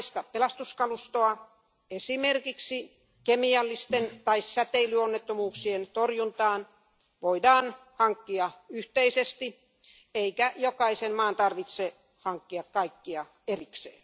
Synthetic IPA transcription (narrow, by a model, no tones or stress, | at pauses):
ist̪ɑppelɑst̪uskɑlust̪oɑ | esimerkiksi | kemiɑlːist̪ent̪ɑissæt̪eilyonːet̪ːomuːksient̪orjunt̪ɑːn | ʋoidɑːnhɑŋkːiɑyht̪eisest̪i | eikæjokɑisenmɑːnt̪ɑrʋit̪se | hɑŋkːiɑkkɑikːiɑ | eriksḛːn